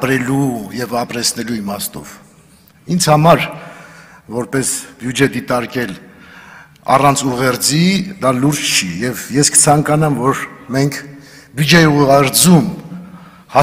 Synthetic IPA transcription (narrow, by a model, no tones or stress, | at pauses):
pɾɛlujɛvɑpɾɛt͡sʰnɛluimɑst̪ɔ̰v̥ | ind͡zʰhɑmɑɾ | vɔɾpɛsbjud͡ʒɛd̪it̪ɑɾkɛl | ɑ̰rɑnt͡sʰuʁɛɾd͡zid̪ɑluɾt͡ʃt͡ʃʰijɛvjɛskə̥t͡sʰɑŋkɑnɑmvɔɾmɛŋkʰ | bjud͡ʒɛiuʁɛɾd͡zum | hɑ